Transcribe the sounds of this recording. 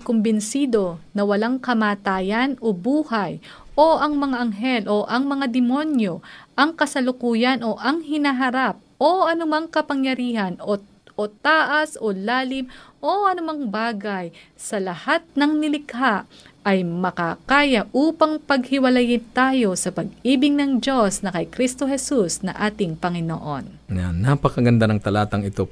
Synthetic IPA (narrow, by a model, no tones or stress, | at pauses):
kʊmbɪnsiːd̪o̞nɐwɐlaŋkɐmaːt̪aːjɐnʔobuːhɐj | ʔoʔɐŋmɐŋaʔɐŋɦɛlʔoʔɐŋmɐŋad̪ɪmo̞njo̞ʔɐŋkɐsɐlʊkuːjɐnʔo̞ʔɐŋhɪnaɦɐɾap̚ʔoʔɐnʊmɐŋkɐpɐŋjɐɾiːhɐno | ot̪aːʔɐsʔolaːlɪmʔo̞ʔɐnʊmɐŋbaːɡɐj | sɐlɐhat̪̚nɐŋnɪlɪkhaʔʔɐjmɐkakaːjɐʔuːpɐŋpɐɡhɪwɐlɐjɪnt̪aːjo̞sɐpɐɡ̚iːbɪŋnɐŋd͡ʒo̞snɐkɐjkɾist̪o̞hɛsusnɐŋʔaːt̪ɪŋpɐŋɪno̰ʔo̞n | a̰nːapɐkɐɡɐnd̪anɐŋt̪ɐlaːt̪ɐŋɪt̪o